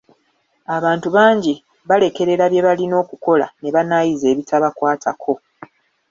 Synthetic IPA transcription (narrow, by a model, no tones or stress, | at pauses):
aβaːntuβaːɲɟi | βale̞ke̞ɾe̞ɾaβje̞βalino̞ːkuko̞la̰ne̞βanajize̞ːβitaβakwaːtʰa̰kʰo̞